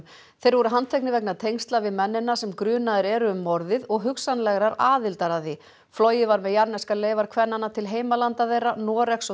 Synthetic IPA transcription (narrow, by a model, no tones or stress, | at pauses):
θejɾvɔɾʏɦant̪ʰejknɪvɛknat̪ʰejŋst̪lavɪðmɛnːɪnːasɛmkɾʏːnaðɪɾɛɾʏʏmːɔɾðɪðɔɣɦʏksanlɛɣɾaɾaːðɪlt̪aɾaθi | flɔːwjɪvaɾmɛðjaɾnɛskaleːjvaɾkʰvɛnːanːat̪ʰɪlɦeːjmalant̪aðejranɔːɾɛks